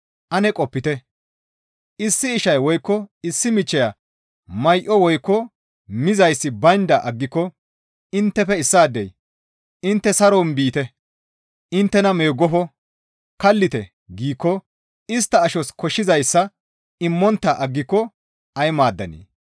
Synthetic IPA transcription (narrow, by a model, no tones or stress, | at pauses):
ʔɐnɛkʼɔpːɪt̪ɛ | ʔɪsːɪːʃɐjwɔjkːɔɪsːɪmɪt͡ʃːɛjɐ | mɐjʔɔwɔjkːɔ | mɪzɐjsːɪbɐnd̪ɐʔɐɡːɪkːɔ | ɪnt̪ːɛfɛɪsːaːd̪ːɛ̰j | ɪnt̪ːɛsɐɾɔnbiːt̪ɛ | ɪnt̪ːɛnɐmeːɡːɔfɔ | kɐlːɪt̪ɛ | ɡiːkːɔ | ɪst̪ːɐːʃɔskɔʃːɪzɐjsːɐ | ɪmːɔnt̪ːɐʔɐɡːɪkːɔ | ɐjmaːd̪ːɐnḛː